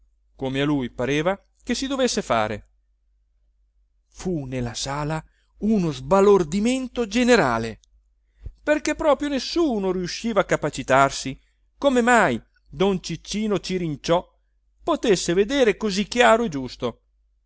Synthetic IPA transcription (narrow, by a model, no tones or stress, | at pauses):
komealujpaɾeːva | k̟esːid̪ovesːefa̰ːɾḛ | funelːasaːla | unozbalord̪iment̪od͡ʒeneɾa̰ːle | perkepːɾɔːpɾjonesːuːnoɾiuʃːiːvakːapat͡ʃit̪arsi | komemaj | d̪ont͡ʃit͡ʃːiːnot͡ʃiɾint͡ʃɔ | pot̪esːeved̪eːɾekozikːjaːɾoed͡ʒust̪o